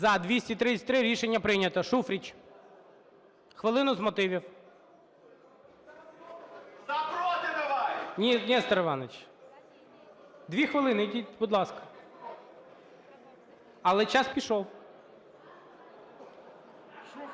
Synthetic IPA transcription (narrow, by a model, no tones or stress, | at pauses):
zɐd̪ʋʲisʲtʲit̪ɾɪt͡sʲɐ̥t̪ʲɾɪɾʲiʃenʲːɐpɾɪnʲɐt̪ɔʃufɾʲit͡ʃʲ | xʋɪlˠɪnʊzmɔt̪ɪʋʲiw | nʲinʲɛst̪ɐɾeʋɑnet͡ʃ | d̪ʋʲixʋɪlˠɪnɪd̪ʲitʲbud̪lˠɑskɐ̥ | ɐlˠɛt͡ʃɑspʲiʃɔw